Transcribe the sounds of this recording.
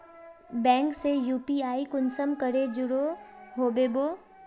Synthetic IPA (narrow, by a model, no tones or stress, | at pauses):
bɛ̃ːŋksejuːpiaːikʊnsəmkəɽed͡ʒʊɽoɦoːbeːboː